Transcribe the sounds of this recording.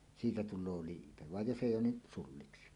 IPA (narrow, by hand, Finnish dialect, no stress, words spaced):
siːtæ tulˑoː liːpe ʋɑj jos eˑijˑ oːn ni sulːiksi